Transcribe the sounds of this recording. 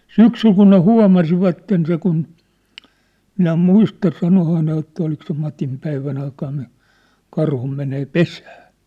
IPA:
syksyl kun ne huɑ̝mɑsiʋɑtːen se kun minæ muistɑ sɑnohɑː ne jotːɑ olik se mɑtim pæiʋæn ɑikɑn ni kɑrhu meneː pesæː

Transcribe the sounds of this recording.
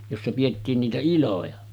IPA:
josːɑ pij̆etːiːn niːtæ ilojɑ

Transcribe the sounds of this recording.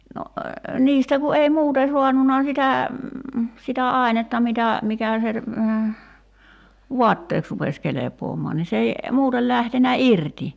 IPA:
no niːstæ ku ei muːte suɑnːunɑ sitæ sitæ ɑˑi̞netːɑ mitæ mikæˑ se ʋuɑtːeːks rupes kelepˑoːmɔɑn ni s ei muːtel læhtenæ irti

